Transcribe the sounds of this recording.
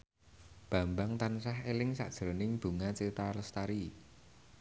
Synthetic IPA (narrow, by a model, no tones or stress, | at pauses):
b̥ä̤mbaŋt̪ansahelɪŋsa̰ʔd̥ʒ̥əɾonɪŋb̥ṳŋat͡ʃet̪alɔst̪aɾi